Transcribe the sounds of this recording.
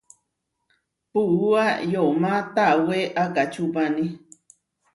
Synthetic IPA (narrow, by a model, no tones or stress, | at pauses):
puuajomãt̪aweʔakat͡ʃupanĩ